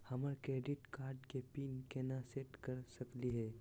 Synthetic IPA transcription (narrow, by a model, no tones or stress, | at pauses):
həməɾkɾeɖiʈkaːɾɖkepiːnkenaseʈkəɾsəkliɦɛ